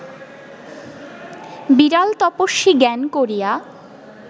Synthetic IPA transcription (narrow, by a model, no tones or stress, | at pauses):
biɾalt̪ɔpoʃːiɡɛnkoɾija